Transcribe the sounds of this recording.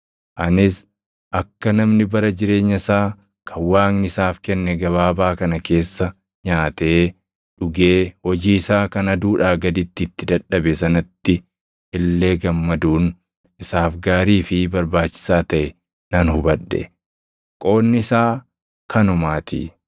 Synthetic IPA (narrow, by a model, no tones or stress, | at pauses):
ʔɐnɪs | ʔɐkːɐnɐmnɪbɐɾɐd͡ʒɪɾe̞ːɲːɐsaː | kʰɐwaːŋnɪsaːfkɛnːɛɡɐβaːbaːkɐnɐke̞ːsːɐ | ɲaːt̪ɛe | ᶑʊɡeːhɔd͡ʒiːɪsaːkɐnɐd̪uːᶑaːɡɐd̪ɪt̪ːɪːt̪ːɪd̪ɐᶑːɐbɛsɐnɐt̪ːɪ | ɪlːe̞ːɡɐmːɐd̪uːn | ɪsaːfɡaːɾiːfɪbɐɾbaːt͡ʃːɪ̥saːt̪ɐʔɛ | nɐnhʊbɐᶑːɛ̰ | kʼo̞ːnːɪɪsaː | kʰɐnʊmaːt̪ḭ